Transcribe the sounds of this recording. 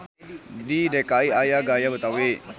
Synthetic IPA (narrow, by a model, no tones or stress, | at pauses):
didɛkaiʔajaɡajabət̪awe